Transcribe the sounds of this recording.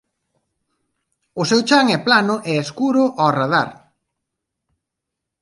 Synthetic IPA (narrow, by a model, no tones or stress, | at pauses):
ʊsewt͡ʃaŋɛplanʊʔɛeskuɾʊʔɔraða̰ɾ